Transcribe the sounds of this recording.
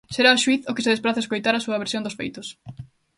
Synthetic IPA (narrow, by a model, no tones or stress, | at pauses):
seɾaoʃwiθʊkɪseðespɾaθaeskojt̪aɾɐsuɐβ̞eɾsjõnd̪ʊsfḛjt̪ʊs